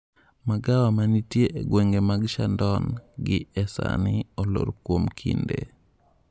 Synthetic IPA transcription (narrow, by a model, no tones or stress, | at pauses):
maɡawamanitjeʔeɡweŋɡemaɡʃandɔnɡɪɛsa̰nɪolo̰ɾkwomkʰḭndḛ